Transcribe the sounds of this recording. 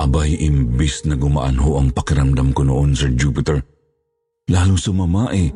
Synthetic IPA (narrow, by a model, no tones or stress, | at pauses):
ʔɐbajʔɪmbɪsnɐɡʊma̰ʔɐ̰nhoʔɐŋpɐkɪɾɐmd̪ɐmkonoʔonsɛɹd͡ʒupɪt̪ɛɹ | laːlʊŋsʊmɐmaʔɛ